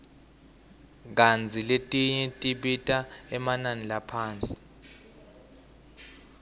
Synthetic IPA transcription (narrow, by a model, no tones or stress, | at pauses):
k̬and͡zʱiletʼiɲɛtʼiɓitʼaɛmananilapʰaːnt͡sʼi̥